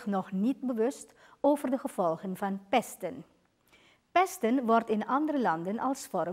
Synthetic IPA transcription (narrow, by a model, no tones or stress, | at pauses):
nɔχnit̚bəʋɵst | oːvərdəχəv̥ɔlˠχənvɑnpɛstən | pɛstənʋɔrtɪnɑndərəlɑndənɑlˠsfɔɾə